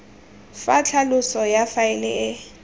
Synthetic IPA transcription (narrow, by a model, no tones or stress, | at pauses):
fat͡ɬʰalʊsɔjafaɪlɪ̰ɪ